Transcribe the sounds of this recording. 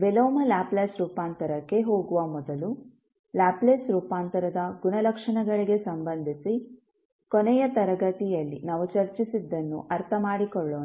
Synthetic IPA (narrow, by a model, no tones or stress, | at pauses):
ʋeloːmɐlaːpleːsɾuːpaːnt̪ɐɾɐkːe̞ɦo̞ːɡuʋɐmɔd̪ɐlu | laːpleːsɾuːpaːnt̪ɐɾɐd̪ɐɡunɐlɐkʂɐɳɐɡɐɭiɡe̞sɐmbɐnd̪ʱisi | kɔnɛjɐt̪ɐɾɐɡɐt̪ijɐlːinaːʋut͡ʃɐɾt͡ʃisid̪ːɐnːṵʔɐɾt̪ʰɐmaːɽikɔɭːoː